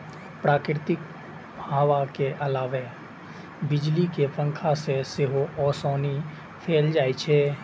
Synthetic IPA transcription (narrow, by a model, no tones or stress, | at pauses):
pɾaːkɾɪt̪ɪk̚ | bʱaːwakeʔɐlaːʋe | bɪd͡ʒlikepə̃ŋkʰasesɪɦoʔɔːsɔːni | pʰeːld͡ʒaːit͡ʃʰɛː